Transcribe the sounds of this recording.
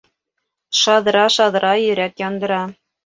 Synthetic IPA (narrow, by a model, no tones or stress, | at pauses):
ʃɑðɾɑʃɑðɾɑjɵ̆ɾæt̪jɑnd̪ɤ̆ɾɑ